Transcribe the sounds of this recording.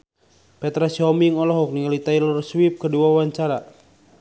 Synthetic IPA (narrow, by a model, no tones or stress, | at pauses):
pɛt̪ɾasɔmiŋɔlɔɦɔk̚niŋalit̪ajlərswip̚kəduawaɲt͡ʃaɾa